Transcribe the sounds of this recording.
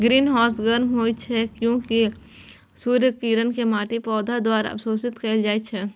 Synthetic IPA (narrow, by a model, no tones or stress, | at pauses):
ɡɾiːnɦɔːsɡəɾmɦoːit͡ʃʰɛkjõːki | suːɾjəkiːɾənkemaːʈepɔːd̪ʱad̪waːɾaɐ̰psoːsɪt̪keːld͡ʒaːet͡ʃʰɛː